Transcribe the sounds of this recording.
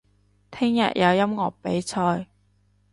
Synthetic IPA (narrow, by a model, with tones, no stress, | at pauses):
t̪ʰɪ˥ŋjɐ̰˨t̚jʔɐ˨˧wjɐ˥mŋɔː˨˩k̚pe˨˥jt͡sʰɔː˧j